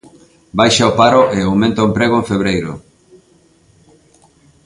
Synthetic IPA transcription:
bajʃaopaɾoʔeawmẽnt̪aoempɾeɣ̞oẽɱfeβɾejɾʊ̰

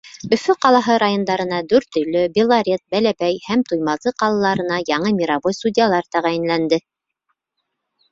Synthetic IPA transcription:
ɵ̆fɵqɑlˠɑɦɤɾajond̪ɑɾɤ̆nɑd̪ʉɾt̪ɵ̆jlɵbʲilˠaɾʲet̪̚bælæβæjhæmt̪ujmɑzɤqɑlˠɑlˠɑɾɤ̆nɑjɑɴɤmʲiɾaβojsudʲɪjalˠɑɾt̪æʁæjɘ̆nlænd̪ɘ

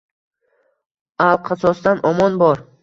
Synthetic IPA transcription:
alˠqʰɑsɒsd̪anʔɒmɒnbɒɾ

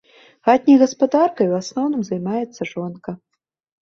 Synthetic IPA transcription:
ɣat̪̚ʲnʲijɣɐspad̪arkɐjwasnɔwnɨmzajmajɛt̪sːɐʐɔnkɐ

